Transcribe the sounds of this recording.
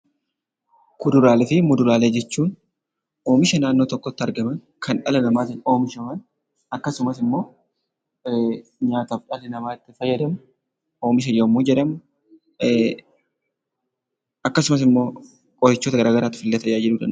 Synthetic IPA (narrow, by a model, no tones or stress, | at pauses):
kʊd̪ʊɾaːlɛfɪmʊd̪ʊɾaːleːd͡ʒɛt͡ʃːuːn | o̞ːmɪʃɐnaːnːo̞ːt̪ɔkːɔt̪ːɪɐɾɡɐmɐn | kʰɐnᶑɐlɐnɐmaːt̪ɪnoːmɪʃɐmɐn | ɐkːɐsʊmɐsɪmːo̞ː | ɲaːt̪ɐfᶑɐlɛnɐmaːɪt̪ːɪfɐjːɐd̪ɐmʊ | o̞ːmɪʃ̬ɐjɐmːuːd͡ʒɛᶑɐmʊ | ɐkːɐsʊmɐs̬ɪmːo̞ː | kʼɔɾɪt͡ʃːot̪ɐɡɐɾaːɡɐɾaːt̪ːɪ̥fɪlːɐt̪ɐjaːd͡ʒɛᶑʊd̪ɐn